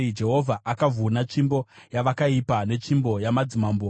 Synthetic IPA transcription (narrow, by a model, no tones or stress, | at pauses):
d͡ʒe̞ɦo̞vʱaʔakavʱunat͡ʃimbo̞jaʋakaipane̞t͡ʃimbo̞jamad͡zimambu